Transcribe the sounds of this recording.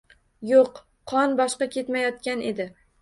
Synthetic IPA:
joqʰː | ɒnbɒʃqɑkʲʰe̞t̪majɒt̪kʲane̞̰d̪ɪ

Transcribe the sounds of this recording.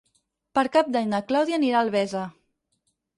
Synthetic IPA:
pəɾkap̚d̪aɲd̪əklawðianiɾalˠβɛzə

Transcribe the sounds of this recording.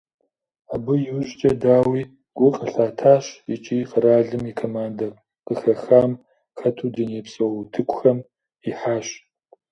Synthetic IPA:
abɨjɪwʑt͡ʃʼɐdaːwiː | ɡ̥ʷʊqʼəɬaːtʰaːɕit͡ʃʼiːqəɾaːɮɨmikʰoːmaːndɐr | qəxɐxaːm | xɐtʰuːdineːpsʼɐwtʰɨkʷʰʼʊxɐm | iħaːɕ

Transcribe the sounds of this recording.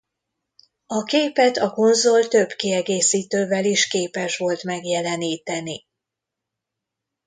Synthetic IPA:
ɒkeːpɛt̪ɒko̞nzo̞lt̪ø̞bkiɛɡeːsiːt̪øːvɛliʃkeːpɛʃʋo̞lt̪mɛɡjɛlɛniːt̪ɛni

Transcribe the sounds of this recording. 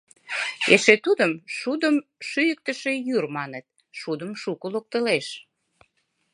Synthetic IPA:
eʃet̪ud̪əmʃud̪əmʃyjək̚t̪əʃejyrmɑnet̪̚ | ʃud̪əmʃukəlok̚t̪əleʃ

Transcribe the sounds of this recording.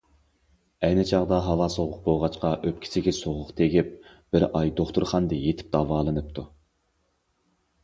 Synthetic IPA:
ɛjnɪt͡ʃʰɑʁd̪ɑɦɑvɑsoʁʊq̚boʁɑt͡ʃqɑʔøp̚ʲkʲʰi̥sɪɡʲɪsoʁʊqt̪ʰeɡʲip̚ | b̥ɪɾʔɑjd̪oχt̪uɾχɑnd̪ɨjet̪ʰɪ̥p̚d̪̥ɑːvɑːlˠɨnɨp̚t̪ʰu

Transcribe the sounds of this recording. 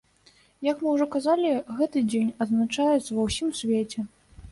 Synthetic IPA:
jɐkmɨwʐɔkazalʲiɣɛt̪ɨd͡zʲenʲɐd̪znat͡ʂajɛt̪sɐvɐwsʲimsʲvʲet͡sʲɛ

